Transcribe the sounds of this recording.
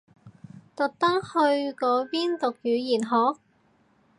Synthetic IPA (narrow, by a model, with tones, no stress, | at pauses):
t̪ʊ˨k̚t̪ɐ˥ŋhɵ˧ɥkɔː˨˧˥piː˥nt̪ʊ˨k̚jyː˨˧jiː˨˩nɦɔː˨˥k̚